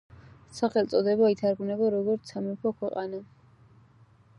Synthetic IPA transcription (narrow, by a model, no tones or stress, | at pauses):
saχɛlt̪sʼɔd̪ɛbait̪ʰaɾɡvnɛbaɾɔɡɔɾt̪sʰamɛpʰɔkʰwɛqʼana